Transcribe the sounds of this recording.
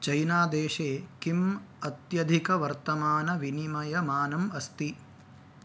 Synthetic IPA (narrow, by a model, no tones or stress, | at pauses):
t͡ʃɐjnaːd̪eːʂeːkimɐt̪jɐd̪ʱikɐʋɐɾt̪ɐmaːnɐʋinimɐjɐmaːnɐmɐst̪i